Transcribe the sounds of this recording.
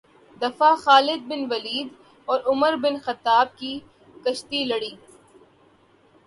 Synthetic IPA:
d̪ɐfaxaːlɪd̪̚bɪnʋɐliːd̪ | ɔːɾʊməɾbɪnxɐt̪ːaːb̚kiː | kɐʃt̪ilɐɽiː

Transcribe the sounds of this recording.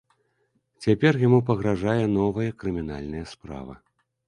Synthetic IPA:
t͡sʲapʲɛrjamupɐɣɾaʐajɛnɔvɐjɛkɾɨmʲin̪a̰lʲnɐjɐspɾa̰vɐ̰

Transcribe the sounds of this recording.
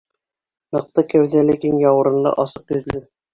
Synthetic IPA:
mɤ̆q̚t̪ɤkæwðælækiŋjɑwɤ̆ɾɤ̆nlˠɤ̰ʔɑsɤqjɵ̆zlɘ

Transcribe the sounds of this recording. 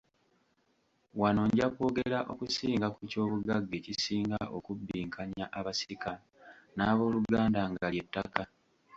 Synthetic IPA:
wano̞ɲɟako̞ːɡeɾaʔo̞̰kusiːŋɡakuco̞ːβuɡaɡːe̞cisiːŋɡaʔo̞kubːiːŋkʰaɲaʔaβasika | naːβo̞ːluɡaːndaŋɡalje̞tːaka

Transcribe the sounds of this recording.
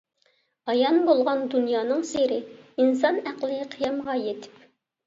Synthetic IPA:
ɑjɑnbolˠʁɑnd̪unjɑːnɨŋseɾɪinsɑnæqlˠɨqʰəjɑmʁɑjet̪ʰɪ̥p

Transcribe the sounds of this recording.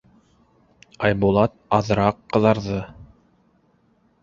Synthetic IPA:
ɑjbulˠɑt̪̚ɑðɾɑqːɤ̆ðɑɾðɤ

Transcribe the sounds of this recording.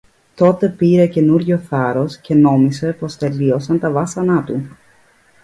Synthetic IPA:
t̪o̞t̪e̞piɾe̞ce̞nuɾʝoθɐɾo̞sce̞no̞mise̞post̪e̞lio̞sɐnt̪ɐvɐsɐnɐt̪u

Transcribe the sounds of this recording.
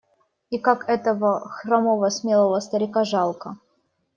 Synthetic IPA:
ikakʰɛt̪əvəxramovəsmʲelˠəvəst̪əɾʲɪkaʐɑlˠkə

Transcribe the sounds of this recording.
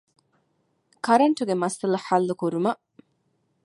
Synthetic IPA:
kɐɾɐɳʈuɡemɐsɐlɐħalːukuɾumɐ

